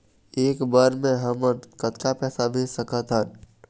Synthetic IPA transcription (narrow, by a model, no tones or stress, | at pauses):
eːkbəɾmẽɦəməkət̪kapɛːsabʱisəkət̪ɦən